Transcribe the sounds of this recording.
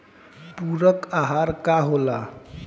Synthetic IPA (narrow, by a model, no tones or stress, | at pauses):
puɾəkaɦaɾkaɦola